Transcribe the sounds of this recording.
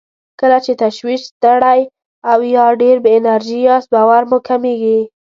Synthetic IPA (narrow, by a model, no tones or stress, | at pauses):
kəlat͡ʃet̪aʃwiʃst̪əɽaj | awjɑɖeɾbəɪnaɾʒijɑsbɑwaɾmʊkameɡi